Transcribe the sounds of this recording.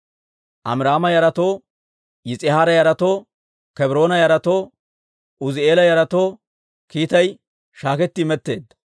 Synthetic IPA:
ʔɐ̰mɪɾaːmɐjɐɾɐt̪o̞ː | jɪt͡sʼɪhaːɾɐjɐɾɐt̪oː | kɛbɾo̞ːnɐjɐɾɐt̪o̞ː | ʔʊzɪe̞ːlɐjɐɾɐt̪oː | kiːt̪ɐj | ʃaːkɛt̪ːɪmɛt̪ːe̞ːd̪ːɐ̥

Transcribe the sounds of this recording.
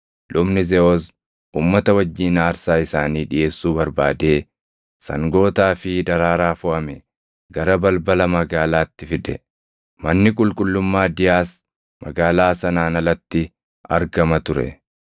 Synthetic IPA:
lʊbnɪzɛɔs | uːmːɐt̪ɐwɐd͡ʒːiːnaːɾsaːɪsaːniːᶑɪʔe̞ːsːuːbɐɾbaːd̪e̞ː | sɐ̰ŋɡo̞ːt̪aːfɪd̪ɐɾaːɾaːfʊʔɐmɛ | ɡɐɾɐbɐlbɐlɐmɐɡaːlaːt̪ːɪfɪᶑ̪ɛ̰ | mɐnːɪkʼʊlkʼʊlːʊmːaːd̪ɪjaːs | mɐɡaːlaːsɐnaːnɐlɐt̪ːɪ | ɐ̰ɾɡɐmɐt̪ʊɾɛ̰

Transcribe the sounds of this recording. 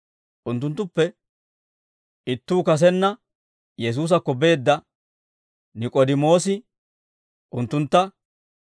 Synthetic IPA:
ʔʊnt̪ːʊnt̪ːʊpːɛ | ɪt̪ːuːkɐs̬ɛnːɐ | jɛs̬uːs̬ɐkːɔbe̞ːd̪ːɐ | nɪkʼɔd̪ɪmo̞ːsɪ | ʔʊnt̪ːʊnt̪ːɐ

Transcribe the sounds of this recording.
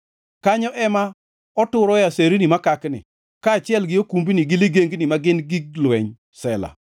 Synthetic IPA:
kaɲɔʔɛma | ɔtʊɾɔjaseɾinimakaknɪ̰ | kaːt͡ʃɪɛlɡɪokumbiniɡɪliɡeŋɡnimaɡɪnɡiɡ̚lwɛɲ | sɛla̰

